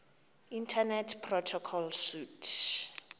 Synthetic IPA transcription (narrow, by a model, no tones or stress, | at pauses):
intʰanɛtʰpʰrɔtʰɔkʰɔlʃutʰ